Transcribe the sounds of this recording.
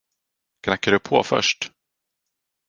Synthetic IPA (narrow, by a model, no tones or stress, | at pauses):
kʰnakːaɖɵpʰo̰ːfœ̰ʂʈ